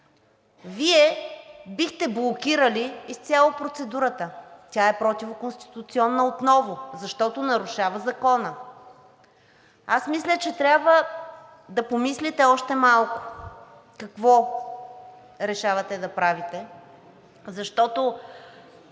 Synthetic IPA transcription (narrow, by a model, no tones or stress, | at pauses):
viɛbixt̪ɛblˠokʲiɾəliːst̪sʲjalˠopɾot̪sɛd̪uɾət̪ət̪ʲaɛpɾɔt̪ivʊkonst̪i̥t̪ʊt̪siɔnːəot̪nɔvʊzɐʃt̪ɔt̪onɐɾʊʃavəzɐkɔnə | asmislʲət͡ʃɛt̪ɾʲabvə | d̪ɐpomislit̪ɛɔʃt̪ɛmalˠkʊ̥ | kɐkvɔ | ɾɛʃavɐt̪ɛd̪ɐpɾavit̪ɛ | zɐʃt̪ɔt̪o